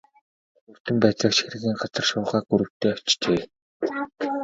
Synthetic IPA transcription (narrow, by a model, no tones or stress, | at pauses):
ɵr̥t̪ɘ̆mpæːt͡sə̆kʃxeɾɘ̆ɣiːŋɢat͡sə̆rʃʊːʁaːɡuɾɘ̆w̥t̪eːœwt͡ɕt͡ɕeː